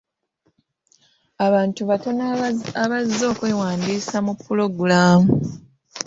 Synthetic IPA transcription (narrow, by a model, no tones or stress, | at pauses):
aβaːntuβato̞naaβazːo̞ːkwe̞ːwaːndiːsamupːulo̞ɡulaːmu